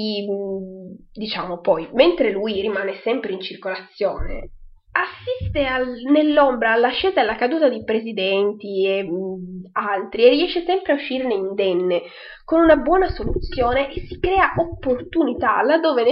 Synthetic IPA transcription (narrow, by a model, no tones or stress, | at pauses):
i | d̪it͡ʃaːmopɔjment̪ɾelujrimaːnesɛmpɾeint͡ʃirkolat̪sːjoːnḛ | asːist̪eanelːombɾaːlːaʃːeːzaelːakad̪uːt̪ad̪ipɾezid̪ɛnt̪ie | alt̪ɾierːiɛʃːesɛmpɾeauʃːiːɾneind̪ɛnːe | konunabwɔːnasolut̪sːjoːneʔesːi̥kɾɛːaʔopːort̪unit̪alad̪ːoːven